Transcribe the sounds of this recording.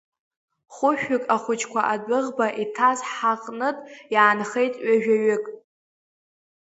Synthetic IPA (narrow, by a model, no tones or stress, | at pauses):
χʷʊʃᶣʏkʼaχʷʊt͡ʃʰʼkʷʰaʔadɨʁbaʔitʰazħaqʼnɨtʼjaːnχejtʼɥaʒᶣaɥʏkʼ